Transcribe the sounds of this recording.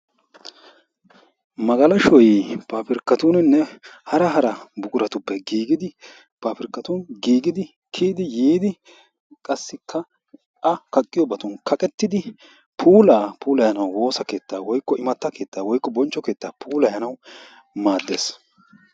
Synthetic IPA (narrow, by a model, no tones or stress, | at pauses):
mɐɡɐlɐʃɔjpaːpɪɾkːɐt̪uːnnːɛhɐɾɐɦɐɾɐbʊkʼʊɾɐt̪ʊpːɛɡiːɡɪd̪ɪ | paːpɪɾkːɐt̪uːnɡiːɡɪd̪ɪ | kʰiːd̪ɪjiːd̪ɪ | kʼɐsːɪkʰːɐ | ʔɐkɐkʼːɪjɔbɐt̪ʊnkʰɐkʼɛt̪ːɪd̪ɪ | pʰuːlaːpʰuːlɐjɐnɐwwo̞ːsɐke̞ːt̪ːaːwɔjkːɔɪmɐt̪ːɐkʰe̞ːt̪ːaːwɔjkːɔbɔnt͡ʃːɔke̞ːt̪ːaːpʰuːlɐjɐnɐw | maːd̪ːeːs